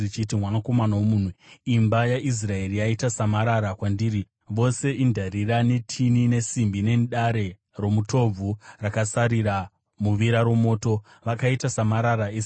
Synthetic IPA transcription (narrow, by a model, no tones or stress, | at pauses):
it͡ʃitimwanako̞manawomuːn̤uimbajais̬rae̞rijaitasamaɾaɾakwandiːɾi | ʋo̞se̞ʔindʱarirane̞tʰinine̞simbine̞nɗaɾe̞ | ro̞mutʰo̞b͡vʱurakasaɾiɾa | muʋiɾaɾo̞mo̞ːto̞ | ʋakaitasamaɾaɾaes